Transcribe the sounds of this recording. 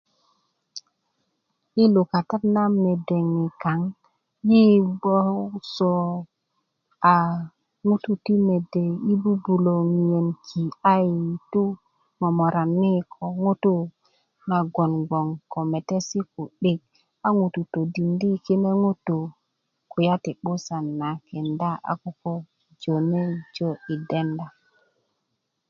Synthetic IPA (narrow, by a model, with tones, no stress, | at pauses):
i˦lo˨ka˨ta˦tna˦me˨de˨ŋi˨ka˨˦ŋ | ji˦bo˦so˨ | a˨ | ŋu˦tu˨ti˦me˨de˨i˦bu˦bu˨lo˨ŋ˨je˨nkʰi˨a˦ji˨tu˦ | mo˨mo˨ɾa˨nːi˦kʰo˨ŋu˦tu˦ | na˨ɡo˨nɡo˨ŋko˨me˨te˦si˦ku˨ɗe˦˨k̚ | a˦ŋu˨tu˨to˨di˨ndi˦ki˦ne˦ŋu˦tu˨ | ku˨ja˦ti˨ɓu˦sa˨nːa˨ke˨nda˦a̰˨ku˦ko˦ | d͡ʒo˨ne˦d͡ʒo˦i˨de˦nda˨